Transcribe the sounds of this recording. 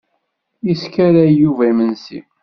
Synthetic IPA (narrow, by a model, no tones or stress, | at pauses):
jiskæɾæjuvæimənsḭ